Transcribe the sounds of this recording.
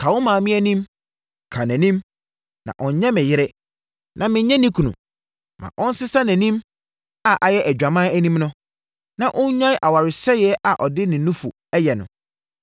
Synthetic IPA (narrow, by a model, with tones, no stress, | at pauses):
kʰa˨wʊ˦mãː˨mɪ̃˦ɛ˦nĩ˦m | kʰa˨næ̃˨nĩ˦m | nã̰˨ʔɔ̃˨n˨ɲɛ̃˦mɪ̃˨jɪ˦ɾɛ˦ | nʔã˨mɪ̃˨ɲɛ̃˦nĩ˦kʰu˨nṵ̃˨ | mã̰˨ʔɔ̃˦n̩˦sɪ˦sa˦næ̃˨nĩ˦m | a˨ʔa˨jɛ˦ʔæ˨d͡ʑᶣa˨mãː˦æ˦nĩ˦mnʊ̃˦ | nã˨ʔʊ̃˦ɲ˦ɲã˦ʔa˨wa˨ɾɪ˨sɛ˦jɪɛ˦ʔa˨ʔɔ˨dɪ˦nɪ̃˨nːʊ̃˦fu˨ | ɛ˦jɛ˨nʊ̰̃˨